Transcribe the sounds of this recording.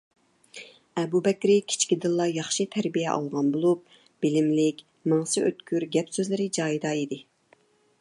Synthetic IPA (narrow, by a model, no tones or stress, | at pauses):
ɛbubɛkʲɾɪkʲʰi̥t͡ʃʰkʲid̪ɨlˠːɑjɑχʃit̪ʰæɾbijɛʔɑ̰lˠʁɑnbolˠup̚ | b̥ɪlɪmlɪkʲ | mɑŋsɪøt̪kʲʰyɾɡʲɛpsøzlɪɾɪd͡ʒɑːjid̪ɑid̪ɪ